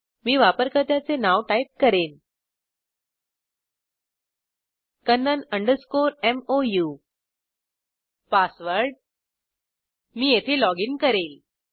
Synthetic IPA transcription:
miːʋapəɾkət̪jat͡senaʋʈaip̚kəɾen | kənːənəɳɖəɾskoɾemoju | pasʋəɾɖ | miːjet̪ʰelɔɡinkəɾel

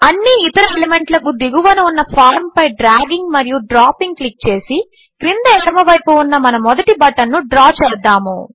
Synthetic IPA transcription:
ɐnːiːt̪ɐɾɐeleme̞ɳʈlɐkud̪iɡuʋɐnuunːɐpʰaːɾmpɐjɖɾaːɡiŋɡmɐɾijuɖɾaːpiŋɡ̚klik̚t͡ʃe̞ːsi | kɾind̪ɐjɐɾmɐʋɐjpuːnːɐmɐnɐmːɔd̪ɐʈibɐʈːɐnːuɖɾaːt͡ʃɛːɾd̪aːmṵ

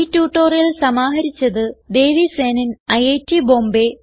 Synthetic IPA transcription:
itːuːʈːoːrijɐlsɐmaːɦɐɾit͡ɕːɐðɨd̪e̞ːʋiseːnɐnɐjeːtːiboːmbe

